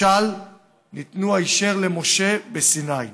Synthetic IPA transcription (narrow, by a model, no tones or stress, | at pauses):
al | nit̪nuaiʃeʁlemo̞ʃe̞besinaj